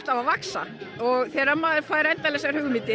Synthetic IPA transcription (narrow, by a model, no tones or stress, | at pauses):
t̪avavaksa̰ɔɣθɛːɾamaːðfaːjɾɛnt̪alɛɣsɛɣaɾhʏːɣʏmɪːt̪ɪ